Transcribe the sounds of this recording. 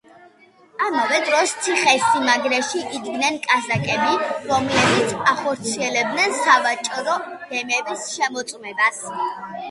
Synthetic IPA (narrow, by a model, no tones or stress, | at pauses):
amavɛd̪ɾɔst̪sʰiχɛsimaɡɾɛʃiʔːd̪ɡnɛnkʼazakʼɛbiɾɔmlɛbit̪sʰaχɔɾt̪sʰiɛlɛb̚d̪nɛnsavat͡ʃʼɾɔd̥ɛmɛbisʃɛmɔt̪sʼmɛbas